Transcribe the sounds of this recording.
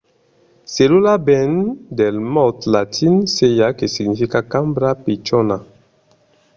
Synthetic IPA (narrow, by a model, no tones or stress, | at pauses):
selulabɛndɛlmɔtlatʰinsejakesiɡnifikakãmbɾapet͡ʃɔna